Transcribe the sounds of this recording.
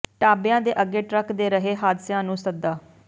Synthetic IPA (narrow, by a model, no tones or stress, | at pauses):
ʈaːbɪjãːd̪eːʔəɡːeːʈɾəkd̪eːɾəɦeːɦaːd̪sjãːnũːsəd̪aː